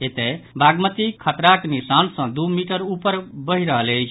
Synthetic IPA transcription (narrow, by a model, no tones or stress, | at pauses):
et̪ebʱaɡmət̪ikʰət̪ɾaknisansʌ̃d̪umiʈəɾupəɾbəɦiɾəɦələjt͡ʃʰ